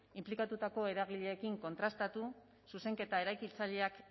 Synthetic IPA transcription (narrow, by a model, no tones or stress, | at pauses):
implikat̪ut̪ako̞e̞ɾaɣ̞iʎe̞ːkiŋko̞nt̪ɾast̪at̪u | suse̞ŋke̞t̪ae̞ɾajkilt͡saʎe̞ak